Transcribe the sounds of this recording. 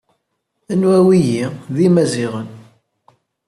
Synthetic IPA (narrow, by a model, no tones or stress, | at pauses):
ənwæwijiðimæziʁən